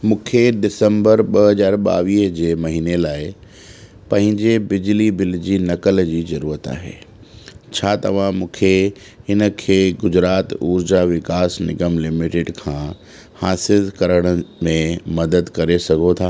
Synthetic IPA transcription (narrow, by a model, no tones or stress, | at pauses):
mũːkʰeɖɪsə̃mbəɾɓɐɦɐzaːɾɓa̰ːʋiːɦd͡ʑeːmɐɦiːnelaːɪ | pɐ̃ɦɪ̃ɲd͡ʑebɪd͡ʑlibɪld͡ʑiːnɐkəld͡ʑiːzɐɾuːɾət̪a̰ːɦḛː | t͡ɕʰaːt̪ɐ̰ʋ̤ãmũːkʰe | ɦɪnə̆kʰeːɡʊd͡ʑɾaːt̪uːɾd͡ʑaʋɪkaːsnɪɡəmlɪmɪʈɪɖkʰãː | haːsɪlkɐɾəɽ̃ə̆mẽmɐd̪əd̪kɐɾesɐɡʱot̪ʰaː